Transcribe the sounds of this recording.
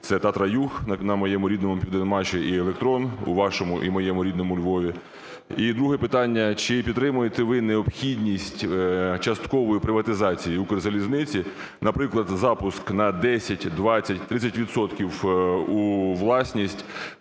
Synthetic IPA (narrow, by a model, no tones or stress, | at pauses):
t̪sɛt̪ɑt̪ɾɐjuxnɐnɐmɔjɛmʊɾʲid̪nɔmʊpʲiʋd̪enmɑʃiʔielˠekt̪ɾɔnṵʋɑʃɔmʊʔimɔjɛmʊɾʲid̪nɔmʊlʲʋɔʋʲi | id̪ɾuɦɛpɪt̪ɑnʲːɐt͡ʃɪpʲid̪ɾɪmʊjet̪ɛʋɪneɔpxʲidʲnʲisʲtʲt͡ʃɐst̪kɔʋɔjipɾɪʋɐt̪ɪzɑt͡sʲijiukrzɐlʲiznɪt͡sʲi | nɐpɾɪklˠɐd̪zɑpʊsknɐd̪ɛsʲɐtʲd̪ʋɑt͡sʲːɐtʲt̪ɾɪt͡sʲːɐtʲʋʲid̪sɔt̪kʲiwuʋlˠɑsʲnʲisʲtʲ